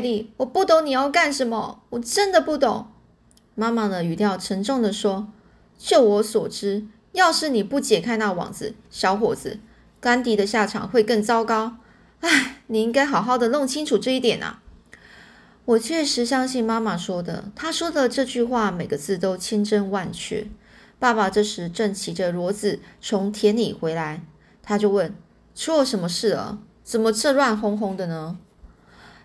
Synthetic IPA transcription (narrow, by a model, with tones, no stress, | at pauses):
li˥˩wɔ˨˩pu˥˩t̪o˧˥ŋni˨˩jo˥˧ʊka˥˩nʂə˧˥nmə˧wɔ˨˩ʈ͡ʂə˦˥nd̪ə˨pu˥˩t̪ʊ˨˩˦ŋ | ma˥ma˨d̪ə˩y˨˩t̪jɑ˥˩ʊʈ͡ʂʰə˧˥ŋʈ͡ʂʊ˥˩ŋd̪ə˨ʂwɔ˥ | t͡ɕjo˥˩ʊwɔ˧˥swɔ˨˩ʈ͡ʂɻ̩˥ | jɑ˥˧ʊʂɻ̩˥˩ni˨˩pu˥˩t͡ɕjɛ˨˩kʰa˥ɪna˥˩wɑ̰˨˩ŋd͡zɹ̩˧˦ | ɕjɑ˧˥ʊxwɔ̰˨˩d͡zɹ̩˧˦ | kwa˥nt̪i˧˥d̪ə˧ɕja˥˩ʈ͡ʂʰɑ̰˨˩˦ŋxwe˥˧ɪkə˥˩ŋt͡sɑ˥ʊkɑ˥ʊ | a˥˩ɪni˨˩i˥ŋka˥ɪxɑ˨˩ʊxɑ˥˩ʊd̪ə˩lo˥˩ŋt͡ɕʰi˥ŋʈ͡ʂʰu˨˩ʈ͡ʂɤ˥˧i˥˩t̪jɛ˨˩nʔɐ̰˦ | wɔ˨˩t͡ɕʰɥɛ˥˩ʂɻ̩˧˥ɕjɑ˥ŋɕi˥˩nma˥ma˨ʂwɔ˥d̪ə̰˨t̪ʰa˥ʂwɔ˥d̪ə˨ʈ͡ʂɤ˥˧t͡ɕy˥˧xwa˥˩me˨˩ɪɡə˦t͡sʰɹ̩˥˩t̪o˥ʊt͡ɕʰi˥ŋʈ͡ʂə˥nwa˥˧nt͡ɕʰy̰˥˩ | pa˥˩pa˨ʈ͡ʂɤ˥˧ʂɻ̩˧˥˦ʈ͡ʂə˥˩ŋt͡ɕʰi˧˥ʈ͡ʂə˧ɻwɔ˧˥t͡sɹ̩˨˩t͡sʰʊ˧˥ŋt̪ʰjɛ˧˥nlḭ˨˩xwe˧˥ɪla˧˦ɪ | t̪ʰa˥t͡ɕjo˥˧ʊwə˥˩n | ʂwɔ˥ʂə˧˥nmə˧ʂɻ̩˥˩ə̰˩ | t͡sə˨˩mə˦ʈ͡ʂʰɤ˥˧lwa˥˧nxʊ˥ŋxʊ˥ŋd̪ə˨nə˦